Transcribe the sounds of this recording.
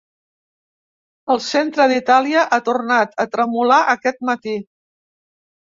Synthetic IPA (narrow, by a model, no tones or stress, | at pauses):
əlˠsent̪ɾəðit̪aliəʔat̪urnat̪ət̪ɾəmulaʔəkɛt̪̚mət̪i